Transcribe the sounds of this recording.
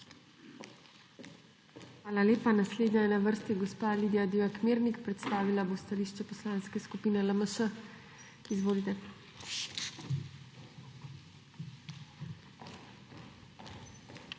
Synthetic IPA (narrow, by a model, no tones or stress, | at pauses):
xʋaːlaleːpanasleːd̪ɲajɛnaʋəɾst̪iɡɔspaliːd̪ijad̪iakmeːɾnikpɾɛt̪st̪aːʋilabost̪aliːʃt͡ʃɛpɔslaːnskɛskupiːnɛləməʃə | izʋoːlit̪ɛ